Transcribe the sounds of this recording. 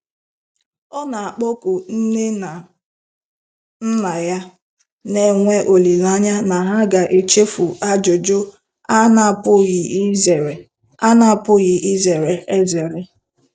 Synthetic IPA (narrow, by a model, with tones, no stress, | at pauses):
ɔ˦na˨a˨k͡po˦ku˨n̩˦e˦˨ | n̩˦na˨ja˦ | ne˨ŋʷe˦ʔo˨li˨la˦ɲa˦na˨ɦa˦ɡa˨ʔe˨t͡ʃe˦fu˨ʔa˦d͡ʒo˨d͡ʒʊ˦ | a˦na˨pʊ˦ɣɪ˨˦ze˨ɾe˨ | a˦na˨pʊ˦ɣɪ˨ʔi˦ze˨ɾe˨ʔe˦ze˨ɾɪ˦